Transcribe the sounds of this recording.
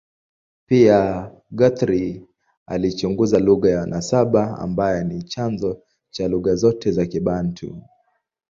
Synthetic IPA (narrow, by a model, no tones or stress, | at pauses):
pia | ɡɔt̪ɾi | alit͡ʃuŋɡuzaluɣajanʔasaɓaa̰mbajɛnit͡ʃanzɔ | t͡ʃaluɣazɔtɛzakiɓantʰṵ